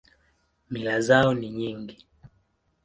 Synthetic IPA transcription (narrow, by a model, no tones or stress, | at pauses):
milazaɔniɲiŋɡi